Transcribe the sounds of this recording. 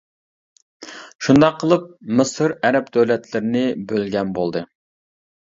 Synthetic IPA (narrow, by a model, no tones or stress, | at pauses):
ʃund̪ɑqʰːəlˠɨp̚mɨsɨɾɛɾɛpd̪øwlɛt̪ʰlɪɾɪnɪbølɡʲɛnbolˠd̪ɨ